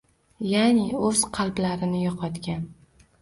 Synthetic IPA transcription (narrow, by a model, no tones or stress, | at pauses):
janɪɵz̥qʰɑlˠblaɾɪnɪjɒqʰɒt̪kʲan